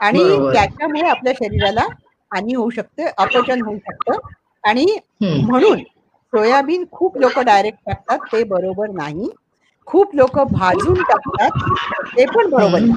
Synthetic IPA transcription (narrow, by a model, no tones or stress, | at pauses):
aɽ̃it̪jat͡ɕjamuɭeapljaɕəɾiɾala | aniɦouɕək̚t̪əʔəpət͡ɕənɦouɕək̚t̪əː | aɽ̃i | m̤əɽ̃uːn | sojabiːnkʰuːplokəɖajɾek̚ʈ̚ʈak̚t̪at̪ːebəɾobəɾnaɦi | kʰuːplokəbʱad͡zuːnʈak̚t̪at̪̚ːepəɳbəɾobəɾna